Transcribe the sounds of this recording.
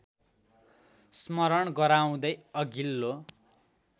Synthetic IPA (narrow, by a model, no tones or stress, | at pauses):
smʌɾʌɳɡʌɾaw̃d̪ʌjʌɡilːo